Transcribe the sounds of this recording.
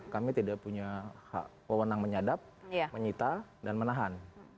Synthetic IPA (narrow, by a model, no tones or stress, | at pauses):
kamit̪idaʔpuɲaha̰ʔ | wəwənaŋməɲadap̚jaməɲit̪adanmənaɦan